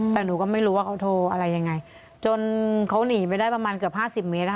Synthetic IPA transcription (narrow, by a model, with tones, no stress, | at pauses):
t̪ɛː˨˩nuː˨˩˦kɔ˥˩ma˥˩jɾuː˦˥waː˥˩kʰa˨˦˥wt̪ʰoː˧ʔa˧ɾa˧jːa˧ŋːa˧j | t͡ɕo˧nkʰa˦˥wniː˨˩˦p̬a˧jdaː˥˩jpa˧maː˧nkɯ˨˩əp̚haː˥˩si˨˩p̚me˦˥t̪̚a˧˥